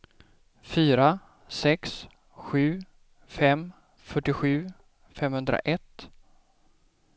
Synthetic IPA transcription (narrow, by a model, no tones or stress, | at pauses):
fyːɾa | sɛks | ɧʉ̟ː | fɛm | fœʈːɪɧʉ̟ː | fɛmhɵnd̪ɾa̰ʔɛt̪ː